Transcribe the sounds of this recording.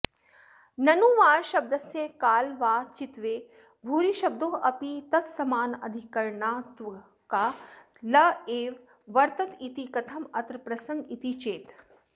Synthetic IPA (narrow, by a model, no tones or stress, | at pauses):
nɐnuːʋaːɾʃɐb̚d̪ɐsjẽkaːlʋaːt͡ʃit̪ʋeː | bʱuːɾiʃɐb̚d̪oːɐpit̪ɐt̪sɐmaːnɐ̰d̪ʱikɐɾɳaːt̪ʋ | kaː | lɐeːɾ | ʋɐɾt̪ɐt̪it̪ikɐt̪ʰɐmɐt̪ɾpɾɐsɐŋɡit̪it͡ʃeːt̪